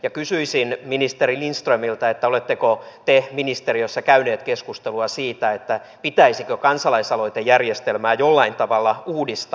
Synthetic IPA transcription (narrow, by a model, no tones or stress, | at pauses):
jɑkysyisinminist̪erilinst̪rømilt̪ɑet̪ːæolet̪ːekot̪eminist̪eriøsːɑkæyneːt̪keskust̪eluɑsiːt̪æet̪ːæ | pit̪æisikøkɑnsɑlɑisɑloijt̪ejærjest̪elmæːjolːɑint̪ɑʋɑlːɑuːdist̪